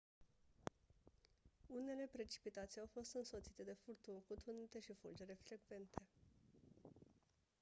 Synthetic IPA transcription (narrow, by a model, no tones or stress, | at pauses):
une̞le̞pɾe̞t͡ʃi̥pit̪at̪siawfo̞st̪ɨnso̞t̪sit̪e̞d̪e̞furt̪uŋkut̪unit̪e̞ʃifuld͡ʒe̞ɾe̞fɾe̞ɡve̞nt̪ʰe̞